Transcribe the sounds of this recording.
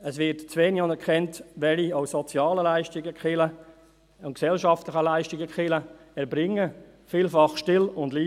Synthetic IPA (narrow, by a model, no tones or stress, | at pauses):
əsʋɪtt͡sʋeːniɑnəkχɛntʋɛlioʊsɔt͡sjɑːləlaɪʃtɪɡəkχɪlə | ʊnksɛlʃɑftlɪχəlaɪʃtɪɡəkχɪlə | ɛɾbɾɪŋːə | fiːlfɑχʃtɪlʊndliː